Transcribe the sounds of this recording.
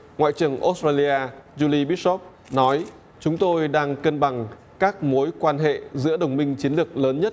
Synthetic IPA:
ŋwa̰ː˧˨t͡ɕɨ˨˩əŋʔo˦˥stɾaː˧li˧ʔaː˧zu˧li˧ɓi˦˥t̚sɔ˦˥p̚ | nɔ˨˦j | t͡ɕʊ˨˦ŋ͡mt̪o˧jɗaː˧ŋkə˧nɓa˨˩ŋ | kaː˦˥k̚mo˨˦jkwaː˧nɦḛ˧˨zɨ̰˧˥əɗə˨˩wŋ͡mmï˧ŋ̟t͡ɕi˨˦nlɨ˨˩ək̚ləː˨˦nɲə˦˥t̚

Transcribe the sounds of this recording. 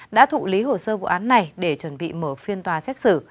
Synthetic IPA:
ɗa̰ː˧˥t̪ʰṵ˧˨li˨˦ɦo˧˩səː˧vṵ˧˨ʔaː˨˦nːa˨˩jɗe˧˩t͡ɕwə˧˩nɓḭ˧˨məː˧˩fi˧ənt̪waː˨˩sɛ˦˥t̚sɨ˧˩

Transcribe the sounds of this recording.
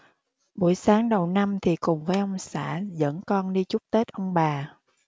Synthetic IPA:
ɓu˧˩əjsaː˨˦ŋɗə˨˩wna˧mt̪ʰi˨˩kʊ˨˩ŋ͡mvəː˨˦jʔə˧wŋ͡msa̰ː˧˩zə̰˧˥nkɔ˧nɗi˧t͡ɕʊ˦˥k͡p̚t̪e˦˥t̚ʔə˧wŋ͡mɓaː˨˩

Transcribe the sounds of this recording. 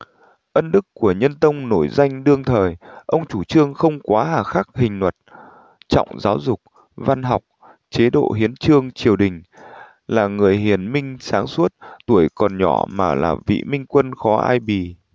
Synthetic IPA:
ʔə˧nɗɨ˦˥kːu˧˩əɲə˧nt̪ə˧wŋ͡mno˧˩jza˧jŋ̟ɗɨ˧əŋt̪ʰəː˨˩jʔə˧wŋ͡mt͡ɕu˧˩t͡ɕɨ˧əŋxə˧wŋ͡mkwaː˨˦ɦaː˨˩xaː˦˥k̚hï˨˩ŋ̟nwə˨˩t̚ | t͡ɕɔ̰˧˨wŋ͡mzaː˨˦wzʊ˨˩k͡p̚ | va˧nɦa˨˩wk͡p̚ | t͡ɕe˨˦ɗo̰˧˨ɦi˨˦ənt͡ɕɨ˧əŋt͡ɕi˨˩əwɗï˨˩ŋ̟ | laː˨˩ŋɨ˨˩əjɦi˨˩ənmï˧ŋ̟saː˨˦ŋsu˦˥t̚t̪u˧˩əjkɔ˨˩nɲɔ˧˩maː˨˩la̰ː˨˩vḭ˧˨mï˧ŋ̟kwə˧nxɔ˨˦ʔa̰ː˧jɓi˨˩

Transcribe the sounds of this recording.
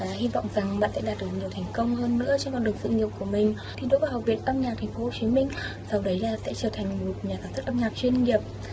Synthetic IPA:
aː˨˩hi˧vɔ̰˧˨wŋ͡mza˨˩ŋɓa̰ː˧˨nsɛ̰˧˥ɗaː˨˩t̚ɗɨ˨˩k̚ɲi˨˩ət̪ʰɛ˨˩jŋ̟kə˧wŋ͡mhəː˧nːɨ̰˧˥ət͡ɕɔ˧nkɔ˧nɗɨ˨˩əŋsɨ̰˧˨ŋi˨˩əp̚ku˧˩əmï˨˩ŋ̟ | t̪ʰi˨˩ɗo̰˧˥vəː˨˩ha˨˩p̚vi˨˩ət̚ʔə˧mɲaː˨˩t̪ʰŋ̟fo˨˦ho˧˩t͡ɕi˨˦mï˧ŋ̟ | sa˧wɗə˨˦jlaː˨˩sɛ̰˧˥t͡ɕəː˧˩t̪ʰa˨˩jŋ̟mo˨˩u˨˩ɲaː˨˩k̪aː˨˧˩ns̚ʰʔə˧mɲaː˨˩p̚t͡ɕwi˧ənŋi˨˩əp̚

